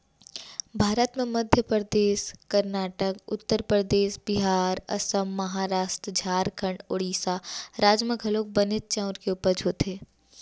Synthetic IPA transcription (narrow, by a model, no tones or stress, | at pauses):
bʱaːɾət̪mẽmɐd̪ʱjəpəɾəd̪eːskɐɾnaːʈəkʊ̰t̪ːəɾpɾəd̪eːsbɪɦaːɾɐ̰səmːɐɦaːɾaːst̪ɾd͡ʒʱaːɾkʰəɳɖoɽiːsaːɾaːd͡ʒmə̃ɡʱɐloːk̚bənɪt̪̚t͡ʃaʊɾkeuːpəɾd͡ʒʱoːt̪eː